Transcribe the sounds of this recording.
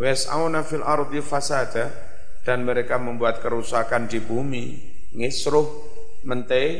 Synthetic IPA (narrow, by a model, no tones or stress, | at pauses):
wɛsa̰wnafilʔaɾt̪ifasada | d̥anməɾekaməmbuat̪̚kəɾusakandibumi | ŋɪsɾʊh | mənt̪e